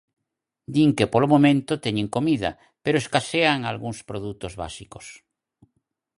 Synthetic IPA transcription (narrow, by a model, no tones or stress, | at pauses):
d̪iŋkepolomomẽnt̪ot̪eɲẽŋkomiðɐ̰ | peɾoeskaseaŋalɣuŋspɾoðut̪ozβa̰siko̥s